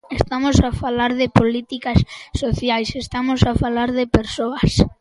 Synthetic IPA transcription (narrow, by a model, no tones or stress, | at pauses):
est̪amosafalaɾðɪpolit̪ikasːoθjajsest̪amosafalaɾðɪpeɾsoɐs